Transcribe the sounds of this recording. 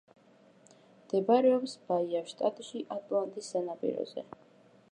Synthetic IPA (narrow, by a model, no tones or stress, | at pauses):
md̪̥ɛbaɾɛɔpsb̥aiaʃt̪ʼat̪ʼʃiʔat̪ʼlˠant̪ʼisːanapʼḭɾɔ̰z̥ɛ̰